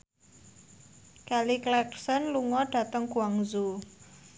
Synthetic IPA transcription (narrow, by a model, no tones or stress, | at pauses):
kaliklɛksənluŋɔɖ̥ä̤t̪əŋɡṳaŋzu